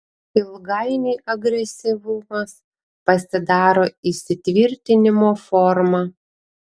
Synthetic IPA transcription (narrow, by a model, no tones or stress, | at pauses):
ɪlˠɡɐɪnʲiːʔɐɡɾʲɛsʲɪʋʊmɐs | pɐsʲɪd̪ɑːɾoːɪsʲɪt̪ʲʋʲɪɾʲt̪ʲɪnʲɪmoːfɔɾmɑ